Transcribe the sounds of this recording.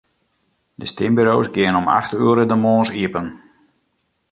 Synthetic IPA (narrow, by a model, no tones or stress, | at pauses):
dəstɪmbyɾowsɡɪənɔma̰xtyəɾədəmoːnsiəpən